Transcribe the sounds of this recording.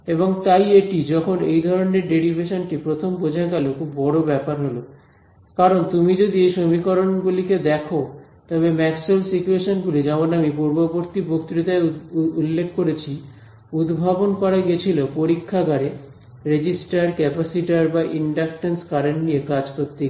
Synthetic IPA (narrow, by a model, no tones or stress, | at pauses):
eboŋt̪ajeʈid͡ʑɔkʰonḛjd̪ʱɔɾoneɾɖeɾibʱeʃonʈipɾot̪ʰombod͡ʑʱaɡalokʰubːɔɽobɛpaɾɦolo | kaɾont̪umid͡ʑod̪iejʃomikɔɾonɡuliked̪ɛkʰot̪ɔβemɛksolsit͡ɕueʃonɡulid͡ʑamonamipuɾboboɾt̪ibokt̪ɾit̪aeulːekʰːkoɾet͡ɕʰi | ud̪bʱabonkɔɾaɡet͡ɕʰilopoɾikʰːaɡʱaɾe | ɾed͡ʑisʈaɾkɛpasiʈaɾbaʔiɳɖak̚ʈenskaɾenʈniekad͡ʑkoɾt̪ːe